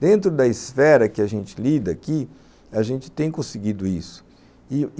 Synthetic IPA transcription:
d̪ẽnt̪ɾʊd̪ɐisfɛɾɐkɪɐʒẽnt͡ʃɪlid̪ɐːki | aʒẽnt͡ʃɪ̥t̪ẽj̃kõsɪɡid̪ʊisʊ̥ | ɪ

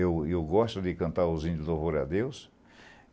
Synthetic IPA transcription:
ewewɡɔʃt̪ʊd̪ɪkɐ̃nt̪aɾozĩnd̪zovoɾa̰d̪ews

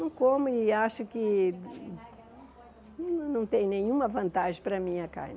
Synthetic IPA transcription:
ɐ̃w̃komʊiaʃʊkɪ | ñnɐ̃w̃t̪ẽj̃nẽɲ̃ũmɐvɐ̃nt̪aʒẽj̃pɾɐmĩɐka̰jn

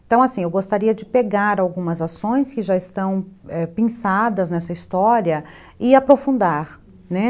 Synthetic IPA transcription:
ẽt̪ɐ̃w̃asĩewɡost̪aɾiɐd͡ʒɪpeɡaɾawɡũmɐzasõj̃skɪʒaɪst̪ɐ̃w̃ɛpẽsad̪ɐznɛsɐist̪ɔɾiɐ | ɪapɾofũnd̪aɾ | nɛ

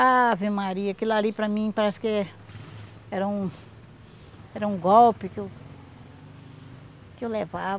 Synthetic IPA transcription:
avẽmaɾiɐkɪlalipɾɐmĩpɾaske | ɛɾɐũ | ɛɾɐũɡowpɪke | kɪewleva

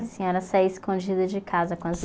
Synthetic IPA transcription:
ɐsĩɲɔɾɐsajɪskõd͡ʒid̪ɐd͡ʒɪkʰazɐkõɐzi

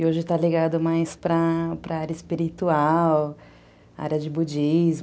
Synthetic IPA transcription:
ɪoʒɪt̪aliɡad̪ʊmajspɾɐpɾʔɐaɾʲjɐɪspiɾit̪uaw | a̰ɾjɐd͡ʒɪbud͡ʒiz

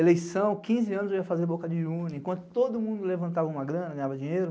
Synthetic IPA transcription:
elejsɐ̃w̃kĩzɪɐ̃nʊzewiɐfazeɾbokɐd͡ʒɪũnẽkwɐ̃nt̪ʊ̥t̪od̪ʊmũnd̪ʊlevɐ̃nt̪avɐũmɐɡɾɐ̃nɐɡɐ̃j̃ɲavɐd͡ʒĩɲejɾʊ

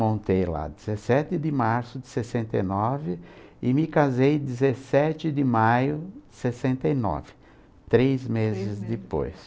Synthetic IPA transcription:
mõnt̪ejla̰d̪ɪzesɛt̪ɪd̪ɪmaɾsʊd̪ɪsesẽnt̪ɐjnɔvɪɪmɪkazejd̪ɪzesɛt͡ʃɪd̪ɪmajʊdɪsesẽnt̪ɐinɔ̰vɪ̥ | t̪ɾezmezɪzd̪ɪpo̰js

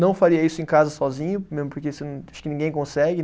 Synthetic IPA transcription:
nɐ̃w̃faɾiɐisʊẽj̃kazɐsɔzĩɲʊmezmʊpoɾkesɪñḁʃʊ̥kɪnĩŋɡẽj̃kõsɛɡɪ

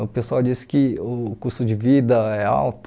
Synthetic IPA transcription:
ʊpesʊawd͡ʒisɪ̥kɪʊkuɾst̪ʊd͡ʒɪvid̪ɐɛa̰wt̪

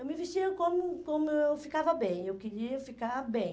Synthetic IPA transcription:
ewmɪviʃt͡ʃiɐkõmʊkõmʊewfikavɐbẽj̃ewkeɾiɐfikaɾbẽj̃

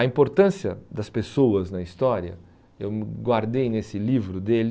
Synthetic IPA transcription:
ɐĩmpoɾt̪ɐ̃siɐd̪ɐspesoɐznɐist̪ɔɾiɐ̰ | ewmɡwaɾd̪ejnesɪlivɾʊd̪el

